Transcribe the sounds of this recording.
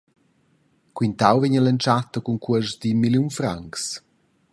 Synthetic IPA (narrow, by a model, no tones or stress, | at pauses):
kwint̪awvɛɲələnt͡ʃat̪əkuŋkuəʃd̪imiljunfɾaŋks